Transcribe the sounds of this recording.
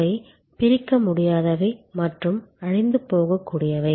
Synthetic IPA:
ɐɪ | pɪɾɪkːɐmʊɽɪjaːðɐʋɐɪmɐʈrɯmɐɻɪnd̪ɯpoːɣɐkːuːɽɪjɐʋɐɪ

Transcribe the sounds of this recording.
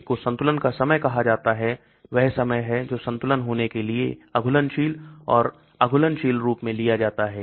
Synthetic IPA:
kosɐ̃nt̪ʊlənkasɐməjkɐɦad͡ʒaːt̪aɦɛ | ʋɛɦsɐməjɦɛd͡ʒoːsɐ̃nt̪ʊlənɦoːnekeliḛɐɡʱʊlənʃiːlɔːɾ | ɐɡʱʊlənʃiːlɾuːpmẽlijad͡ʒaːt̪aɦɛː

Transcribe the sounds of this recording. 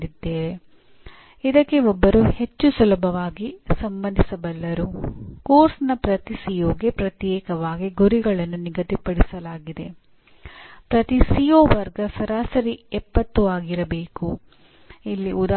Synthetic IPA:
d̪id̪ːeːʋe | id̪ɐkːeɔbːɐɾuhe̞t͡ʃːusulɐbʱɐʋaːɡisɐmbɐnd̪ʱisɐbɐlːɐɾukoːɾsnɐpɾɐt̪isijoːɡepɾɐt̪jɛːkɐʋaːɡiɡuɾiɡɐɭɐnːuniɡɐt̪ipɐɽisɐlaːɡid̪e̞ | pɾɐt̪isijoːʋɐɾɡɐsɐɾaːsɐɾiɛpːɐt̪ːuaːɡiɾɐbe̞ːku | ilːiud̪a

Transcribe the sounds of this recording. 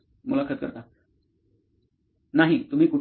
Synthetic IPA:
mulakʰət͡skə̰ɾt̪a | naɦit̪um̤iːkuʈ

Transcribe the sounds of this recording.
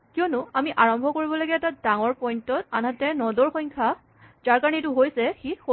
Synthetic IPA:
kijɔnʊamiʔaɹɔmbʱɔkoɹibɔlaɡɛːtadaŋɔɹpɔjntɔt̚a̰nɦatɛnɔdɔɹxɔjŋkʰa | zaɹkaɹnitʊɦojsɛxixo

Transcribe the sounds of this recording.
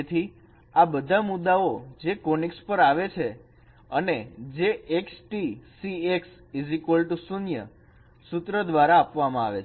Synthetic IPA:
t̪ʰi | abəd̪ʱamʊd̪ːaod͡ʒekonikspəɾaʋet͡ʃʰe | əned͡ʒeeksʈisieks | izikolʈusunjə̰ | sut̪ɾəd̪ʋaɾaːpʋamãa̰ʋet͡ʃʰ

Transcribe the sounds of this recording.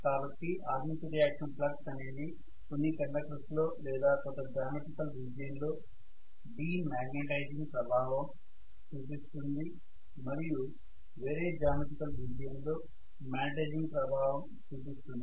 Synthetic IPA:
kaːbɐʈːiʔaːɾmit̪ɐɾijaːkʂɐmplɐksɐneːd̪i | konːikɐɳɖakɾɐslo̞ːlɛːd̪aːkɔt̪ɐd͡ʒaːmeʈikɐlʋid͡ʒɐjɐnlo̞ː | biːmaːɡneʈɐjd͡ʒiŋɡpɾɐbʱaːʋɐm | t͡ʃuːp̬ist̪und̪i | mɐɾiju | ʋe̞ːɾe̞ːd͡ʒaːmeʈikɐlʋid͡ʒɐjɐnlo̞ː | maːʈejd͡ʒiŋɡpɾɐbʱaːʋɐm | t͡ʃuːpist̪und̪i

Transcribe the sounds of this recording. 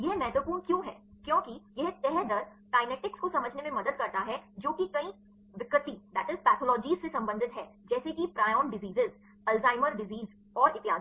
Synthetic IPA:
jɛɦmɛɦt̪əpuːnkjõːɦɛːkjõːkijɛɦt̪ɛɦd̪əɾʈaːɪnɛːʈɪkskosɐməd͡ʒʱnemẽmɐd̪əd̪̚kɐɾt̪aɦɛd͡ʒoːkikɐĩ | ʋɪkət̪id̪æːʈɪzpɛːt̪ʰoːlɔːd͡ʒiːzsesɐ̃mbə̃nd̪ʱɪt̪ɦɛːd͡ʒɛːsekipɾaːjɔːnɖɪziːzɪz | ɛlzaːɪməɾɖɪziːz | ɔːɾɪt̪ɪja̰ːd̪

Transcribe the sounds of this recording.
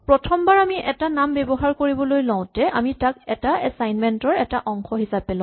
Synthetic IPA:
pɹɔtʰɔmbaɹamiʔɛtanambɛbɔɦaɹkoɹibɔlojlɔ̃ʊ̃tɛʔamitakɛtaɛsajnmɛntɔɹɛtaʔɔŋxɔɦisapɛlɔ̃

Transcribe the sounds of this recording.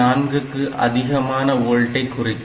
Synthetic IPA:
aːnɡɯkːɯʔɐ̰ðɪɣɐmaːnɐoːɻʈːɐɪkːʊrɪkː

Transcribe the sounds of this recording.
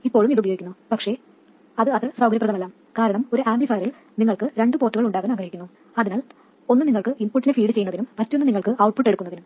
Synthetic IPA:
ipːo̞ːɭumiðubɐjoːɡikːunːupɐkʂe̞ | ɐðɨɐðɨsrɐwɡɐɾjɐprɐðɐmelːaːm | kaːɾɐɳɐmo̞ɾuʔaːmblifaːɐɾil | niŋːɐɭkɨɾe̞ɳɖɨpo̞ːtːuɣɐɭuɳɖaːɣɐːnaːɡɾɐhikʲːunːu | ɐðinaːl | o̞nːɨniŋːɐɭkɨʔimpuʈːindefiːɽɨt͡ɕe̞jːnːɐðinumːɐtːonːɨniŋːɐɭkɨʔɐwʈ̚puʈːe̞ɽukːunːɐðinum

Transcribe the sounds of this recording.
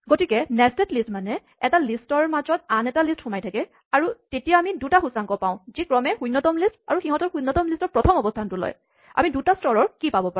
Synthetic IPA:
ɡotikɛnɛstetlistmanɛ | ɛtalistɔɹmazɔt̚anɛtalistxʊmajtʰakɛ | aɹutetijaamidutaxusaŋkɔpaʊ̃zikɹɔmɛxujnːɔtɔmlista̰ɹuxiɦɔtɔɹxunːɔtɔmlistɔɹpɹɔtʰɔmɔbɔstʰantʊlɔ̰j | a̰midutastɔɹɔɹkipabɔpa

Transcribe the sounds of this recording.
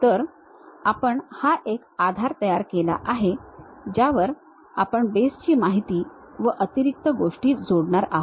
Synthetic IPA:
t̪əɾ | apəɳhaʔekad̪ʱaɾt̪əjaɾkela̰ʔaɦed͡ʑjaʋəɾ | apəɳbest͡ɕiːmaɦit̪iː | ʋəʔət̪iɾik̚t̪əɡoʂʈiːd͡zoɽɳaɾaɦ

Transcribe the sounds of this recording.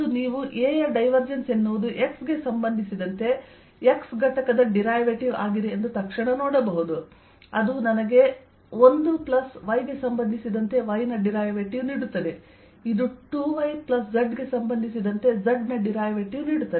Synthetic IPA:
uniːʋuʔeːjɐɖɐjʋɐɾd͡ʒense̞nːuʋd̪uʔe̞ksɡe̞sɐmbɐnd̪ʱisid̪ɐnt̪e̞ | eksɡɐʈɐkɐd̪ɐɖiɾaːjʋeʈiʋa̰ːɡid̪eːnd̪ut̪ɐkʂɐɳɐnoːɽɐbɐɦud̪u | ɐd̪unɐnɐɡe̞ | ond̪uplɐsʋɐjɡe̞sɐmbɐnd̪ʱisid̪ɐnt̪e̞ʋɐjnɐɖiɾaːjʋeʈiʋniːɽut̪ːɐd̪e | id̪uʈuːʋɐjplɐs̬d͡ʒɐɖɡe̞sɐmbɐnd̪ʱisid̪ɐnt̪e̞d͡ʒɐɖnɐɖiɾaːjʋeʈiʋniːɽut̪ːɐ

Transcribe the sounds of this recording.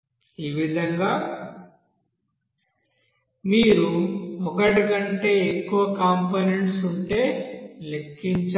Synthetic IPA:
iːʋid̪ʱɐŋɡaː | miːɾumɔkɐʈiɡɐɳʈe̞ːekːuʋɐkaːmponeɳʈsuɳʈe̞ːlekːiɲt͡ʃ

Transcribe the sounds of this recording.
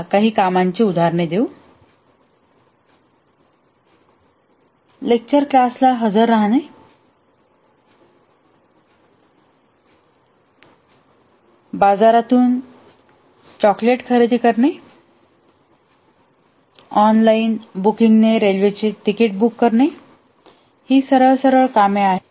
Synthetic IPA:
kaɦiːkamaɲt͡ɕeud̪ʱaɾɳed̪eu | lek̚t͡ɕəɾklaslaɦəd͡zəɾːaɦne | bad͡zaɾat̪uːn | t͡ɕɔkleʈkʰəɾed̪ikəɾɳe | ɔnlainbukiŋɡneɾelʋet͡ɕeʈ̪ikeʈ̚bukːəɾɳe | hiːsəɾəɭsəɾəɭkameaɦe

